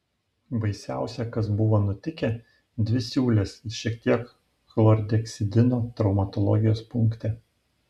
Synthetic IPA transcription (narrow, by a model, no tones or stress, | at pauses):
bɐɪsʲæˑʊsʲɛkɐsbʊʋoːnʊt̪ʲɪkʲe | d̪ʲʋʲɪsʲuːlʲesʃʲiɛkt̪ʲiɛk | xlˠɔɾʲd̪ʲɛksʲɪd̪ʲɪnoːt̪ɾɒʊmɐt̪ɔlˠɔ̰ɡʲɪjoːspʊŋˑkt̪ʲɛ